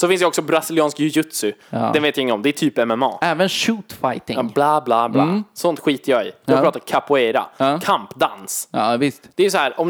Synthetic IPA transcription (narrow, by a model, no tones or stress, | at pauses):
sɔfɪnsd̪ɛɔksɔbɾasɪlɪɑːnskjɵjɵt̪sʏd̪ɛnveːt̪jaɪŋːənɔmd̪ɛæʈʰyːpɛmɛmɑ̰ːɛːvənʃuːt̪fajt̪ɪblɑːblaːblaːsɔnt̪ɧiːt̪əjɑːɪ̰jɑɡpɾɑːt̪aɾkʰapʊɛɾa̰kʰampd̪a̰nsvɪst̪d̪̥ɛæjʏs̬ɔhæːɾʔɔm